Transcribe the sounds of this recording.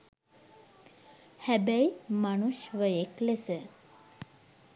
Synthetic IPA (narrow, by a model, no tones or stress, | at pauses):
hæbæjmanuʃʋəeklesə